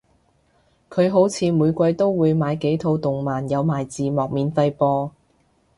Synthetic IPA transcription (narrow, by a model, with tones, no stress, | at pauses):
kʰɵ˨˧ɥɦo˨˥wt͡sʰiː˨˧muː˨˧jkʷɐ˧jt̪o˥wːuː˨˧jmaː˨˧jke˨˥jt̪ʰo˨˧wt̪ʊ˨ŋmaː˨˩njɐ˨˧wmaː˨˩jt͡siː˨mɔː˨k̚miː˨˧nfɐ˧jpɔː˧